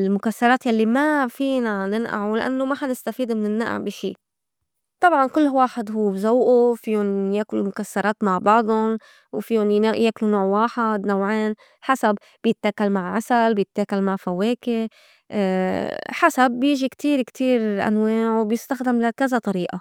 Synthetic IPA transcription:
lmʊkasːɑɾˤɑːt̪jalːimafiːnanɪnʔa̰ʕulɪʔa̰nːomaħanɪst̪afiːd̪mɪnɪnːaʔa̰ʕbiʃiː | t̪ˤɑbʕɑnkʊlːwaːħɪd̪ɦuːbzawʔufiːjʊnjeːklumʊkasːɑɾˤɑːt̪maʕbɑʕd̪ˤʊn | wfiːjʊnjeːklunoːʕwaːħɪd̪nawʕeːn | ħasab | bjɪt̪ːakalmaʕʕasalbjɪt̪ːakalmaʕfaweːkɪ | ħasabjɪːʒikt̪iːɾkt̪ʰiːɾʔa̰nwaːʕwbjɪst̪axd̪ɪmlakazat̪ˤɑɾiːʔa

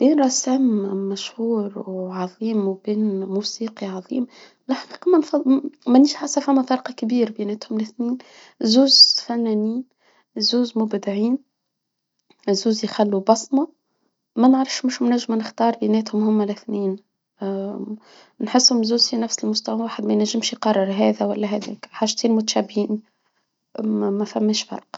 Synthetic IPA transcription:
b̥iːnɾˤɑsæmːæʃhuːɾwʕɑðˤiːmwbiːnmuːsiːqiʕɑðˤiːm | ɪlħqiːqɑmænfɑmæniʃħasːæfamːæfɑɾqɑkbiːɾbinɛːt̪hʊmlɪθniːn | zuːzfænːæːniːn | zuːzmʊbd̪ɪʕiːn | zuːzjxælːubɑsˤmɑ | mænəʕɾˤɑfʃmʊʃmnæʒːɪmnɪxt̪ɑːɾˤbinɛːt̪hʊmhʊmːælɪθniːn | nħɪsːhʊmzuːzinæfsɪlmʊst̪æwawaːħɪd̪mæjnæʒːɪmʃjqɑrˤːɪɾɦɛːðæwælːæɦæd̪ɛ̰ːkħaːʒt̪iːnmʊt̪ʃæbhiːn | mæfæmːɛːʃfɑ̰ɾˤqɑ̥

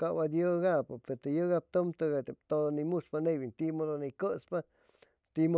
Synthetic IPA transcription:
kabad̪jɨɡapɨpet̪ɨjɨɡap̚t̪umt̪ɨɣat̪et̪oonimuʂpanebint̪imod̪onikɨt͡spa | t̪imo

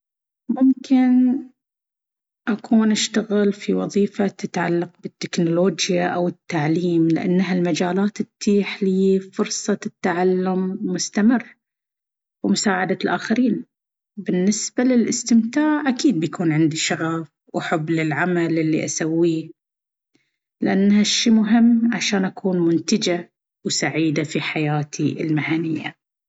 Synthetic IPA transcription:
mʊmkɪn | ʔakʰuːnʔaʃt̪aɣɪlfiwɑðˤiːfat̪ɪt̪ʕa̰lːɑq̚bɪt̪ːɪknʊloːd͡ʒjaʔawɪt̪ːaʕliːmlɪ̰ʔa̰nːɦalmad͡ʒaːlaːt̪ɪt̪ʰːiːħliːfʊɾsˤɑt̪ːaʕalːʊmːʊst̪amɪrː | wɪmʊsaːʕad̪alʔaːxaɾiːn | bɪnːɪsbalɪlʔɪst̪ɪmt̪aːʕʔakiːd̪̚bjakʰuːnʕɪnd̪iʃɑɾɑf | wħʊbːlɪlʕamalʔɪlːiʔasawːiː | lɪʔanːhaʃːiːmʊɦɪmːʕaʃaːnʔakʰuːnmʊnt̪ɪd͡ʒa | wsaʕiːd̪afiħajaːt̪ʰiʔɪ̰lmaʕanɪjːa̰

